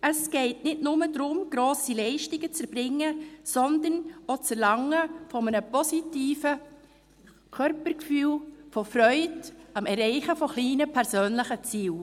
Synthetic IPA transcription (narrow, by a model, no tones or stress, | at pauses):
əsɡ̥ɛɪtnɪdnʊmədɾʊmɡ̥ɾoːsilɛɪʃtɪɡət͡sɛɾb̥ɾɪŋːəsɔndənot͡sɛɾlɑŋəfɔmənəpɔsitiːfə | kʰœɾpəɾkfyːlfɔfrœʏdɑmɛɾɛɪχəfɔχliːnəpʰɛɾsøːnlɪχət͡siːl